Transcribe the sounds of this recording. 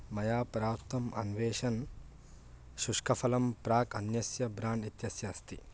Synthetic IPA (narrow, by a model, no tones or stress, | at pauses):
mɐjaːpɾaːpt̪ʰɐmɐ̰nʋeːʂɐn | ʃuʂkɐfʰɐlɐmpɾaːkɐnjɐsjɐbɾaːɳɖit̪jɐsjɐːst̪i